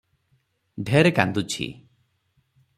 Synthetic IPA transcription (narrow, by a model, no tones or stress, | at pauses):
ɖʱeɾekand̪ut͡ʃʰḭ